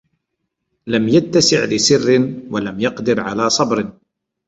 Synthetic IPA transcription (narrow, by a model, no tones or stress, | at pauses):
lamjat̪ːasɪʕlɪsɪrːɪwalamjɑqd̪ɪɾʕalaːsˤɑbɾ